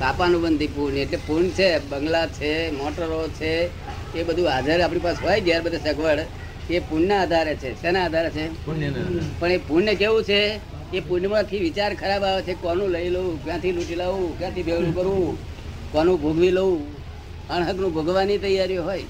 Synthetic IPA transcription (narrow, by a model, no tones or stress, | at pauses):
kapanũbənd̪ʱipuɾneʈlepuɾɳt͡ʃʰebəŋɡlat͡ʃʰemɔʈəɾot͡ʃʰeː | bəd̪ʱũɦad͡ʒəɾapɳipasɦojɡjaɾbəd̪ʱesəkʋəɽ | kepuɳːaaːd̪ʱaɾet͡ʃʰesenaːd̪ʱaɾet͡ʃʰe | pəɳepuɳːekeʋũt͡ʃʰe | kepuɳːmãt̪ʰiʋit͡ʃaɾkʰəɾabaʋet͡ʃʰekɔnũləiləũkjãt̪ʰiluʈilaʋũkjãt̪ʰibʱeɡɭũkəɾũ | kɔnũbʱoɡʱʋiləũ | əɳɦəknũbʱoɡʋanit̪əjaɾjoɦoj